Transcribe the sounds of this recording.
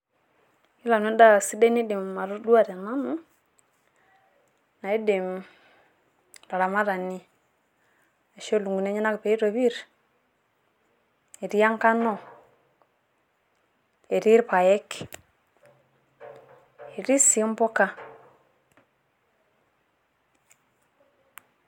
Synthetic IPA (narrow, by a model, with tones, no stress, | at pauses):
i˦la˨n˨e˦da˦˨si˦de˦ni˦di˨m˨a˨ɾo˦dwa˦˨ɾɛ˨na˦nu˦ | na˨i˦di˨m | ɾa˨ɾa˨ma˦ɾa˨ni˦ | e˨ʃo˦˨lu˨ŋɡu˨ne˦ɲi˦na˦kpe˨i˦ɾo˨βi˦ɾ | e˨ɾi˦a˦ŋka˦no˦ | e˨ɾi˦ɾpa˨je˦k | e˨ɾi˦si˨˦m˦bo˦ka˦